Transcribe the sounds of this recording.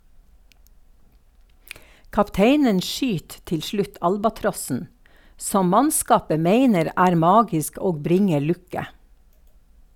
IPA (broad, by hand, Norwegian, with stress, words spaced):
kɑpˈteɪnən ˈʃʏt ˈtɪl ˈʃɭʉt ˈɑlbɑˌtɾɔsn̩ ˈsɔm ˈmɑnˌskɑːpə ˈmeɪnəɾ ˈæːɾ ˈmɑːɡɪsk ˈoːɡ ˈbɾɪŋə ˈɭʉkə